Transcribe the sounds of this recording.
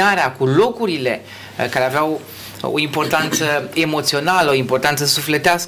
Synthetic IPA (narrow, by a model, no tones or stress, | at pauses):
aɾeakulo̞kuɾile̞ | kaɾeaveaw | o̰impo̞rt̪ant̪səe̞mo̞t̪sio̞naləoimpo̞rt̪ant̪səsufle̞t̪eask